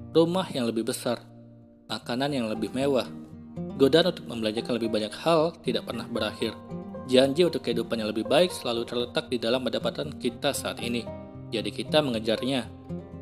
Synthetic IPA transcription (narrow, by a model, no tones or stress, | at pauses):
rumahjaŋləbɪhbəsar | makananjaŋləbɪhmewahɡodaanunt̪ʊk̚məmbəlad͡ʒakanləbɪhbaɲakhalt̪idaʔpərnahbəɾahɪrd͡ʒaɲd͡ʒiunt̪ʊkːəɦidupanjaŋləbɪhbaɪk̚səlalut̪ərlət̪ak̚didalampəndapat̪ankit̪asaa̰t̪ini | d͡ʒadikit̪aməŋəd͡ʒarɲa